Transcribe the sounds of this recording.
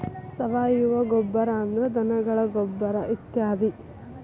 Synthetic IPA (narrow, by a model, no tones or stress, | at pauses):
sɐʋaːjuʋɐɡɔbːɐɾaːnd̪ɐɾed̪ɐnɐɡɐɭɐɡobːɐɾɐʔit̪jaːd̪i